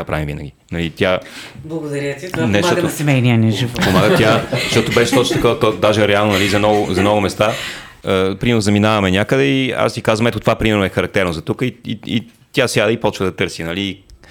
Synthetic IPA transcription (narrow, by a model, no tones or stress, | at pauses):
apɾa̰vimvḭnəɡʲinɐlit̪ʲjablˠɐɡʊd̪ɐɾanɛt̪ot̪osɛmɛjniənʲɛʒivpomaɡət̪jazʃt̪ɔt̪ʊbɛʃɛ̥t̪ɔt͡ʃnot̪ɐkɔvt̪ɔd̪aʒɛɾɛalˠnonɐlizɐnɔɡʊzɐnɔɡʊmɛst̪a | əpɾimɛɾnʊzɐminavɐmɛnʲakəd̪ɛia̰st̪ikazvəɐmɛt̪ʊt̪ovapɾimɛɾnoɛxɐɾɐk̚t̪ɛɾnozɐt̪ukəiḭḭ | t̪ʲjasʲjad̪əipɔt͡ʃvəd̪ɐt̪ɤɾsinɐliː